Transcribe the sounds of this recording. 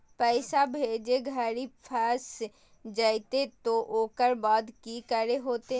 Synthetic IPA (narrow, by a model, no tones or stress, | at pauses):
pəɪsabʱed͡ʒeɡʱəɾipʰəs | d͡ʒaɪt̪et̪oʔoːkəɾbaːd̪kikəɾeɦoːt̪e